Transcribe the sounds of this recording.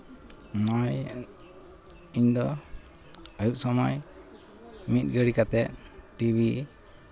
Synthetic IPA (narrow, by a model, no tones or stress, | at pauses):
nɔj | iɲd̪ɔ | əjuk̚sɔmɔj | mit̪̚ɡəɽikat̪ɛt̚ʈibi